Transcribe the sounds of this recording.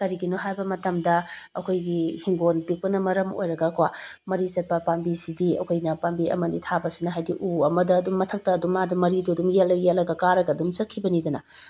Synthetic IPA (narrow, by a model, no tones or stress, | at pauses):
kɐɾiɡinoɦajbɐmɐtɐmdɐɐkʰojɡihiŋɡonpik̚pɐnɐmɐɾɐmo̰jɾɐɡɐkwa | mɐɾit͡ʃɐt̚pɐpambisidiɐ̰kʰojnɐpambiɐ̰mɐnitʰabɐsinɐɦajdiʔuɐmɐdɐːdumːɐtʰɐk̚tɐːdumːadɐmɐɾiduɐdumjelːɐjelɐɡɐkaɾɐɡɐːdumsɐt̚kʰibɐnidɐnɐ